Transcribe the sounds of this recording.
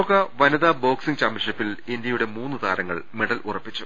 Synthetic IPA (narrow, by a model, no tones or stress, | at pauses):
okːɐʋɐnɐðɐbo̞ːksiŋt͡ɕaːmɐlʂipːilindjɐjuɽe̞muːnːɨt̪aːɾɐŋːɐ̰ɭmeɽɐlʔurɐpːit͡ɕːu